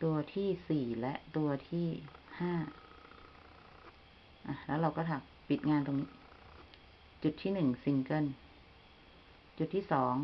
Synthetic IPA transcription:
t̪u˧ɐt̪ʰiː˥˩siː˨˩lɛ˦˥ʔt̪u˧ɐt̪ʰiː˥˩haː˥˩ | ʔa˨˩lɛ˦˥wɾa˧wkɔː˥˩t̪ʰaː˨˩k̚pi˨˩t̪̚ŋaː˧nt̪oː˧ŋniː˦˥ | t͡ɕu˨˩t̪ʰːiː˥˩nɯ˨˩ŋsi˧ŋkɤ˥˩n | t͡ɕu˨˩t̪ʰːiː˥˩sɔː˩˦ŋ

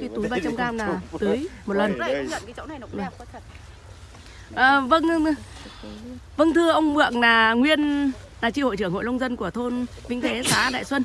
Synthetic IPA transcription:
kaː˨˦jt̪u˨˦jɓaː˧t͡ɕa˧mkaː˧mnaː˨˩t̪ɨ˨˦əjmo˨˩t̚lə˨˩n˧˨˧ŋə̰˧˨nka˨˦t͡ɕə̰˧˦wna˨˩jn˨kʰt̚ | ʔəː˨˩və˧n | və˧ŋt̪ʰɨ˧əʔə˧wŋ͡mmɨ̰˧˨ək̚naː˨˩ŋwi˧ən | naː˨˩t͡ɕi˧ho̰˧˨jt͡ɕɨ˧˩əŋho̰˧˨lə˧wŋ͡mzə˧nku˧˩ət̪ʰo˧n | vï˧˥ŋt̪ʰe˨˦saː˨˦ɗa̰ː˧˨jswə˧n

